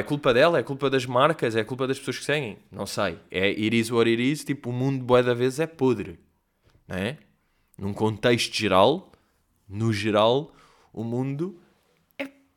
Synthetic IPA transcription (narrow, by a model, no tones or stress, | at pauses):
ɛkulˠpɐðɛlˠɐɛkulˠpɐðɐʒmaɾkɐzɛɐkulˠpɐðɐʃpsoɐʃksɛɣɐ̃j̃nɐ̰̃w̃sɐjɛʔiɾizwɔɾiɾizt̪ipuːmũnd̪uboɛðɐvezzɛpoðɾɨ | ñɛ | nũkõnt̪eʃt̪uʒɨɾalˠ | nuʒɨɾalˠ | umũnd̪u | ɛ